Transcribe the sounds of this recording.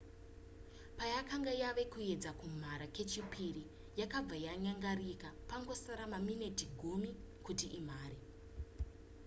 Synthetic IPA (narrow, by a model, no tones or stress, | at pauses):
pajakaŋɡajaʋe̞kue̞d͡zakum̤aɾake̞t͡ʃipʰiri | jakab͡vajaɲaŋɡarikapaŋɡo̞saɾamamine̞tiɡʱumi | kutiʔim̤aːɾi